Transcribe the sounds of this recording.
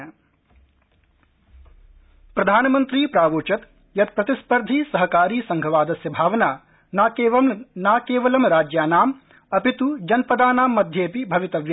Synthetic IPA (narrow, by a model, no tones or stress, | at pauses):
pɾɐd̪ʱaːnɐmɐnt̪ɾiːpɾaːʋoːt͡ʃɐt̪ | jɐt̪̚pɾɐt̪ispɐɾd̪ʱiːsɐɦɐkaːɾiːsɐ̃ŋɡʱɐʋaːd̪ɐsjɐbʱaːʋɐnaː | naːkeːʋɐmnaːkeːʋɐlɐmɾaːd͡ʒjaːnaːm | ɐpit̪ud͡ʒɐnpɐd̪aːnaːmːɐd̪ʱjeːpibʱɐʋit̪ɐʋj